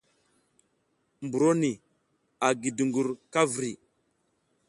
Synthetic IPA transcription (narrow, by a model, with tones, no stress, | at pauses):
mbu˨ɾo˦ni˨ | a˨ɡi˨du˨ŋɡu˨ɾka˦vɾi˨